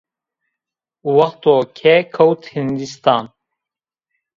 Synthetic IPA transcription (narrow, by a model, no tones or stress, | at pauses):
wɐxt̪okʰɛkʰɐwt̪hind̪ist̪ɑːn